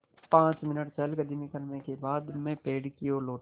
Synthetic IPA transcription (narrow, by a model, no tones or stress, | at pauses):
pãːt͡ʃmɪnəʈt͡ʃəlɡɐd̪imikɐɾmẽkebaːd̪mẽpeːɽkioloː